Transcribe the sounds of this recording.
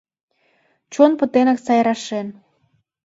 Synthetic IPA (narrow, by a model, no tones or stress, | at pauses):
t͡ɕonpə̆t̪enɑksɑjɾɑʃen